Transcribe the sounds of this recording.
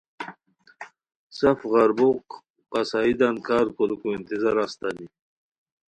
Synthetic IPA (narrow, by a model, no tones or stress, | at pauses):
safɣaɾbuq | asaːid̪ankɑːɾkolukuint̪izaɾast̪ani